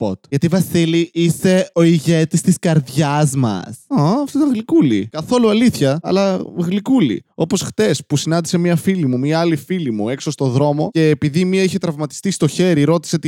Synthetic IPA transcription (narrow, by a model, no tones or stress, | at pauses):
pot̪ʝɐt̪ivɐsiliise̞o̞iʝe̞t̪ist̪iskɐɾðʝɐzmɐ̰sɐɐft̪ot̪ɐɣlikulḭkɐθo̞luɐliθçɐɐ̰lɐɣlikulḭo̞po̞sxθe̞spusinɐnd̪ise̞miɐfilimumiɐɐlifilimue̞kso̞st̪o̞ðɾo̞mo̞e̞ːpiðimiɐiçe̞t̪ɾɐvmɐt̪i̥st̪ist̪o̞çe̞ɾiɾo̞t̪i̥seot̪